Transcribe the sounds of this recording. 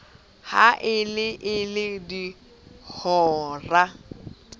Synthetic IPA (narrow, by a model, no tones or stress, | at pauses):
haʔɪlɪʔɪlɪdi | hɔːra